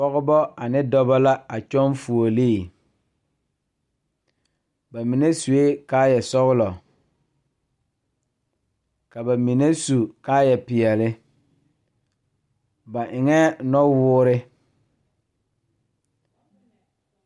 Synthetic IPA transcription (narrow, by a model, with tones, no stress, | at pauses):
ɔ˦ɣʊ˦bɔ˦a˨nɪ˦dɔ˦ba˦la˦a˨t͡ʃɔ˦nfu˨o˨liː˦˨ | ba˨mi˨ne˦su˨e˦kaː˦jɛ˨sɔ˦ɣʊ˦lɔ˨ | ka˨ba˨mi˨ne˦su˨ka˦jɛ˨pɪ˨ɛ˨lɪ˦ | ba˨ʔɪ˨ŋɛ˦nɔ˦wʊː˦ɾɪ˦